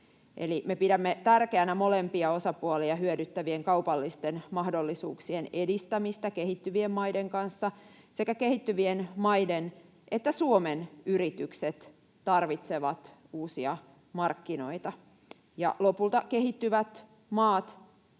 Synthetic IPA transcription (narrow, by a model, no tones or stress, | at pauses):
ʔḛlimepidæmːet̪ærkeænæmo̞lempiɑo̞sɑpuɑliɑhyødyt̪ːæʋieŋkɑupɑlːist̪enmɑhdolːisuːksienedist̪æmist̪ækehit̪ːyʋiemmɑideŋkɑnsːɑ | sekækehit̪ːyʋienmɑiden | ʔet̪ːæsuomenyrit̪ykset̪ | tɑrʋit̪seʋɑt̪uːsiɑ | mɑrkːino̞̰it̪ɑ | jɑ̰lopult̪ɑkehit̪ːyʋæt̪ | mɑːt̪